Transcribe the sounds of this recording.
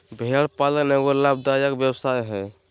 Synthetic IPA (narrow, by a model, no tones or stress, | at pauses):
bʱeɽpalknɛɡolab̚d̪ajakbjəwsajɦɛ